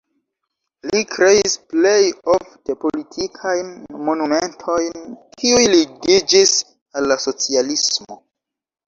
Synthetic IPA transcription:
likɾe̞isple̞jo̞fte̞po̞litʰikʰajnmo̞numentʰo̞jnkʰiujliɡid͡ʒis | alːaso̞t͡sialismo̞

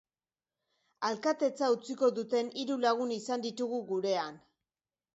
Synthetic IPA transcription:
alkat̪e̞t͡saut͡siko̞ðut̪e̞niɾulaɣ̞unisand̪it̪uɣuɣuɾe̞an

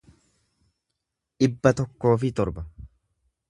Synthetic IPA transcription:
ᶑɪbːɐt̪ɔkːo̞ːfɪt̪ɔɾbɐ

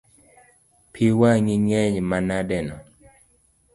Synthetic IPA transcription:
pʰiwaŋiŋɛɲmanadɛnɔ

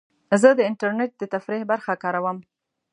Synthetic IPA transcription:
zəd̪əɪɳʈaɾneʈ̚d̪ət̪afɾihbaɾxakɑɾawəm

